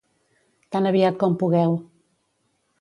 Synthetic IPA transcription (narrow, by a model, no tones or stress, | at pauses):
t̪anəβiat̪̚kɔmpuɣɛw